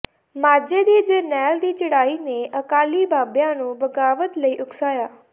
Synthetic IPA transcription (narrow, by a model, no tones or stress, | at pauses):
maːd͡ʒed̪iːd͡ʒənɛːld̪iːt͡ʃəɽaːineʔəkaːlibʱaːbjãnũːbəɡaːʋət̪ləiːʔʊksaːjaː